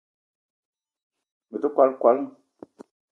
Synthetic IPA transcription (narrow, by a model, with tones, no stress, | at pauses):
mə˨tu˦kʷa˨˦lkwa˨˦l